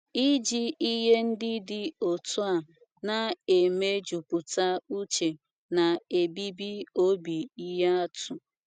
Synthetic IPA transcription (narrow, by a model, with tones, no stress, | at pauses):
i˦d͡ʒi˦i˦ɦe˦n̩˦dɪ˦dɪ˨o˨tu˦a˨ | na˨e˨me˦d͡ʒu˨pʊ˨ta˦u˦t͡ʃe˨ | na˨e˨bi˦bi˦o˦bi˨i˦ɦe˦a˦tʰʊ˨